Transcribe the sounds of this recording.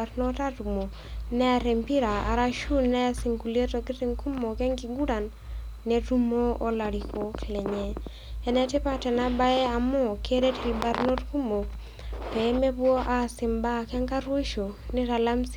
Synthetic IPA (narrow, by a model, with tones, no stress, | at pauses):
aɾno˦ta˦tu˨mo˨ | nɛ˦a˨ɾe˨mpi˦ɾa˨a̰˨ɾa˦ʃu˦nɛ˦a˦si˨ŋku˨le˦to˨kɪ˦ti˦ŋku˦mo˨kɛ˦ŋki˨ɡu˦ɾa˨nː | e˨tu˦mo˦o˦la˨ɾi˨ko˦klɛ˨ɲɛ˦ | ɛ˨nɛ˦tɪ˦pa˦tɛ˨na˦ba˦ɛ˦a˨mɔ˦kʰe˦ɾe˦ti˨li˨ba˨ɾno˦tku˦mo˨ | pɛ˨˦me˦bwo˦ʔa˦˨sɪ˨mba˦kɛ˦ŋka˦ɾwe˦ʃo˨ne˦ɾa˨la˦ms